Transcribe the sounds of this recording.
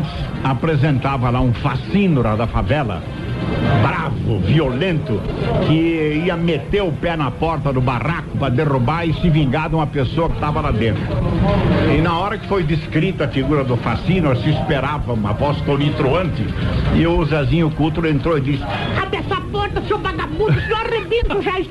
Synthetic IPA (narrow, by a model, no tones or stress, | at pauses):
nt͡ʃ̪ɪ̥s | apɾezẽnt̪avɐlaũfasĩnʊɾɐd̪ɐfavɛlɐ̰ | bɾavʊ̰violẽnt̪ʊkɪiɐmet̪eɾʊpɛnɐpɔɾt̪ɐd̪ʊbarakʊpɾɐd̪erubaɾɪsɪvĩŋɡad̪ũmɐpesoɐkɪ̥t̪avɐlad̪ẽnt̪ɾʊ | ɪnɐɔɾɐkɪ̥fojd̪ɪskɾit̪ʊɐfiɡuɾɐd̪ʊfasĩnʊɾɐsɪːspeɾavɐũmɐ̰vɔst̪onit̪ɾoɐ̃nt̪ɪɪʊzazĩɲʊkut̪ɾʊẽnt̪ɾoɪd̪isɪ̥kapɛsapɔɾt̪ɐsobaɡapuʊsɔrebẽnt̪ʊʒaʃ